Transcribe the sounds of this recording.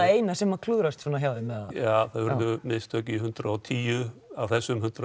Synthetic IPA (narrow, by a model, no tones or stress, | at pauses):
ejnasɛmːakʰluːɾast̪sɔnaçjaːwðɪmɛðajaːθaðvɛɾðʏmɪnst̪œhciɦʏnt̪ɾaɔt̪ʰiːjʏavθɛsːʏmhʏnt̪ɾa